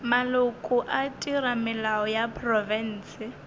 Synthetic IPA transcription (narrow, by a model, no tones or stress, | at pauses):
malʊkʼʊʔatʼiɾamɪlaɔjapʰʼrɔvɛn̩ːsɪ